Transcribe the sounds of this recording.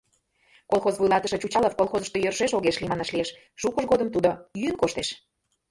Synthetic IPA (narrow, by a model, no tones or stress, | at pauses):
kolˠxozβujlˠɑt̪əʃɤ̆t͡ɕut͡ɕɑləfkolˠxozəʃt̪ojørʒeʃoɣeʃlimɑnɑʃlieʃ | ʃukəʒɣod̪əmt̪ud̪ojyənkoʃt̪eʃ